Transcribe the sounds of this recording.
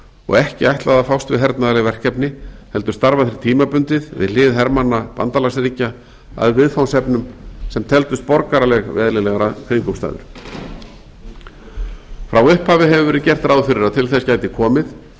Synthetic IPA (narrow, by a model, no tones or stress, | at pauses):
ɔ̰ɣɛhcɪajht̪laðafawst̪vɪðɦɛɾt̪naðalɪvɛr̥kɛpnɪhɛlt̪ʏɾ̥st̪aɾvaθɪɾɪ̥ɾ̥t̪ʰiːmapʏnt̪ɪðvɪ̰ðlɪːðɦɛɾmanːapa̰nt̪alasɾiːca | a̰ðvɪðfawnsɛpnʏmsɛmt̪ʰɛlt̪ʏst̪̚pɔɾkaɾalɛɣvɛːðlɪlɛɣaɾakʰɪŋkʏmst̪a̰ːðʏ̰ɾ̥ | fɾawʏhphaːvɪɦɛvʏɾvɛːɾɪðcɛr̥t̪ɾaːwðfʏɾɪɾat̪ʰɪlθɛscaːjt̪ɪkʰɔːmɪð